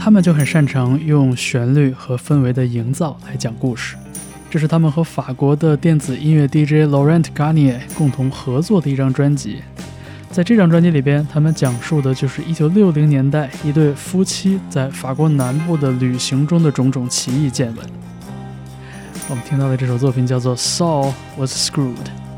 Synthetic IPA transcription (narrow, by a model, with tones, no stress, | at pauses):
t̪ʰa˥mə˨nt͡ɕjo˥˩ʊxə˨˩nʂa˥˩nʈ͡ʂʰɑ˧˥ŋjʊ˥˧ŋɕɥɛ˧˥nly˥˩xɤ˧˥fə˥nwe˧˥ɪd̪ə˧i˧˥ŋt͡sɑ˥˩ʊla˧˥ɪt͡ɕjɑ˨˩ŋku˥˧˩ʂɻ̩̥˥˩ | ʈ͡ʂɤ˥˧ʂɻ̩˥˩t̪ʰa˥mə˨nxɤ˧˥fa˨˩kwɔ˧˥d̪ə˧t̪jɛ˥˩nt͡sɹ̩˨˩i˥nwe˥˧ɪt̪i˥˩ʈ͡ʂe˥ɪlɔ˧˥ɹɛ˥nt̪ʰka˥njɛ˥˩kʊ˥˩ŋt̪ʰʊ˧˥ŋxɤ˧˥t͡swɔ˥˩d̪ə˩i˥˩ʈ͡ʂɑ˥˩ŋʈ͡ʂwa˥nt͡ɕḭ˧˥ | t͡sa˥˧ɪʈ͡ʂɤ˥˧ʈ͡ʂɑ˥˩ŋʈ͡ʂwa˥nt͡ɕi˧˥li˨˩pjɛ˥nt̪ʰa˥mə˨nt͡ɕjɑ˨˩ŋʂu˥˩d̪ə˩t͡ɕjo˥˧ʊʂɻ̩˥˧ʔi˥t͡ɕjo˨˩ʊljo˥˩ʊli˧˥ŋnjɛ˧˥nt̪a˥˩ɪi˧˥t̪we˥˩ɪfu˥t͡ɕʰi˥t͡sa˥˩ɪfa˨˩kwɔ˧˥na˧˥npu˥˩d̪ə˩ly˨˩ɕi˧˥ŋʈ͡ʂʊ˥ŋd̪ə˨ʈ͡ʂʊ˧˥ŋʈ͡ʂʊ˨˩ŋt͡ɕʰi˧˥i˥˧t͡ɕjɛ˥˧nwə̰˧˩˦n | wɔ˨˩mə˧nt̪ʰi˥ŋt̪ɑ˥˩ʊd̪ə˩ʈ͡ʂɤ˥˩ʂo˨˩ʊt͡swpʰi˨˩ŋt͡ɕjɑ˥˧ʊt͡swɔ˥˩sɑ˥˩ʊ | ə˧˩skɹu˥˩d